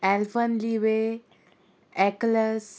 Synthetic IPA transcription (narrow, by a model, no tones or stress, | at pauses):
ɛlfənliʋe | ɛkləs